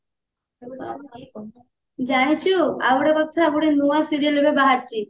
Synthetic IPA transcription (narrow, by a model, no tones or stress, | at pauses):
d͡ʑanit͡ɕʰua̰boɽekɔt̪ʰaɡuɽenuasiɾielebebaɦaɾt͡ɕʰi